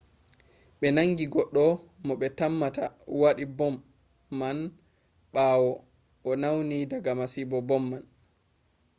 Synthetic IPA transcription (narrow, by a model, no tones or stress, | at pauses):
ɓɛnaŋɡiɡɔɗːɔmɔɓɛtamːatawaɗibɔmː | an | ɓawɔ | ʔɔnawnidaɡamasibɔbɔmːan